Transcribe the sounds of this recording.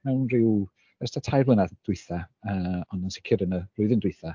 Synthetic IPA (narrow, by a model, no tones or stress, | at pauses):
mɛwnrɪw | ɛstatʰajblˠənaðd̥wɪɨθaəːɔnansɪ̥kʰɪɾənərʊɨðəndwɪjθa